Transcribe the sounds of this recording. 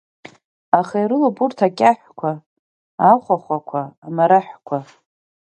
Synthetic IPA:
aχejrɨloburtʰakʲʼaħʷkʷʰa | aχʷaχʷakʷʰaːmaɾaħʷkʷʰa

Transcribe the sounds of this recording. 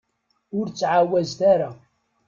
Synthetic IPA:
ʊɾt͡sːʕawæzθaɾa

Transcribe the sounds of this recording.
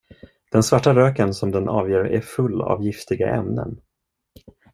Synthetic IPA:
d̪̥ɛnsvaʈːaɾøːkənsɔmd̪ɛnʔɑːvjeːɾæ̰ɾfɵlːa̰vjɪft̪ɪɡa̰ʔɛ̰mnə̰n

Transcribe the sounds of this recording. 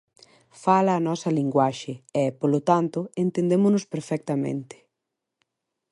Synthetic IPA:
falɐːnɔsɐliŋɡwaʃɪɛpolʊt̪ant̪ʊent̪ẽnd̪emʊnʊspeɾfɛk̚t̪ɐmḛ̃nt̪ɪ̥

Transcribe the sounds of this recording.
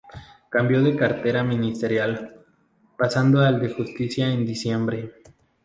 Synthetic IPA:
kambjo̞ðe̞kaɾt̪e̞ɾamĩnist̪e̞ɾjal | pasand̪oald̪e̞xust̪isjaend̪isje̞mbɾe̞

